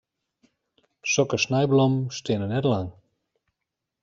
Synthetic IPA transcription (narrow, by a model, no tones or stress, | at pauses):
sɔkəsnɛjblɔmstɪnənɛtlaŋ